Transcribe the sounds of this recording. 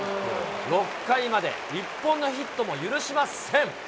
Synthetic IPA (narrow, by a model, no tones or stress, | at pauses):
ɾo̞kːaimad̪e̞̰ | ipːõ̞nːo̞çit̪ːo̞mo̞jɯ̟ɾɯ̟ɕimasẽ̞ŋ